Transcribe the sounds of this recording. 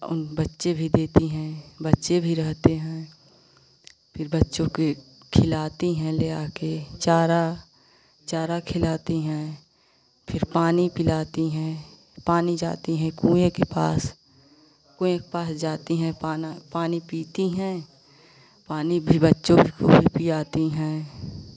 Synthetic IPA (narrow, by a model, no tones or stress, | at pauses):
ʊ̰nbɐtːʃebʱid̪eːt̪iɦɛ̃bɐtːʃebʱiɾɛɦt̪eɦɛ̃ː | pʰɪɾbɐtːʃõke | kʰɪlaːt̪iɦɛ̃leːaːket͡ʃaːɾa | t͡ʃaːɾakʰɪlaːt̪iɦɛ̃ː | pʰɪɾpaːnipɪlaːt̪iɦɛ̃ | paːnid͡ʒa̰ːt̪iɦɛ̃kũːẽkepa̰ːs | kũːẽkepaːsd͡ʒaːt̪iɦɛ̃apaːnipiːt̪iɦɛ̃ | paːnibʱibətːʃõbʱiko̰bʱipijaːt̪iɦɛ̃ː